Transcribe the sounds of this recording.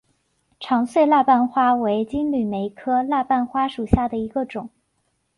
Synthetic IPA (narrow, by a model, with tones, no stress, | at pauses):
ʈ͡ʂʰɑ˧˥ŋswe˥˧ɪla˥˧pa˥˩nxwa˥we˧˥ɪt͡ɕi˥nly˨˩me˧˥ɪkʰɤ˥la˥˧pa˥˩nxwa˥ʂu˨˩ɕja˥˩d̪ə˩i˧˥ɡə˧ʈ͡ʂʊ˨˩˦ŋ